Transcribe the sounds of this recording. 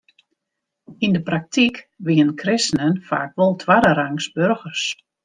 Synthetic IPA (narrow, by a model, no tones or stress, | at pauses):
indəprak̚tʰikʋiənkʰrɪsnənfa̰ːkʋɔlˠtʰʋaɾəɾaŋsbørɣərs